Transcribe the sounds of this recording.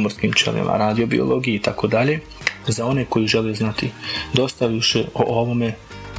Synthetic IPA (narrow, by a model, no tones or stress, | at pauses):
moɾskimt͡ʃḛlḭma̰ɾaːd̪io̞bḭo̰lo̞ɡijeit̪ako̞d̪aʎe̞ | zao̞ne̞ko̞jiʒe̞leznat̪id̪o̞st̪aʋiʃe̞ʔo̰ʔoʋo̞me̞